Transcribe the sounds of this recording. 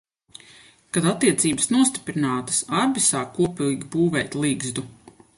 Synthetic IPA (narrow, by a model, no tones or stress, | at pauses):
kad̪at̪ːiɛt̪siːbəsnuɔst̪i̥pɾinaːt̪ə̥saɾbisaːkːuɔpiɡʲibuːvɛjt̪ʲlˠiːɡzd̪u